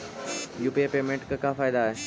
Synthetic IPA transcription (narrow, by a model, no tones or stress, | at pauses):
jupiepemeɳʈkakafajd̪ae